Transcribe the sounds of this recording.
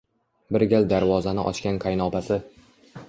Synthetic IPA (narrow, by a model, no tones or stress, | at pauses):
bɪɾɡʲald̪aɾvɒzanɪʔɒ̰t͡ʃkʲanqʰɑjnɒpasɪ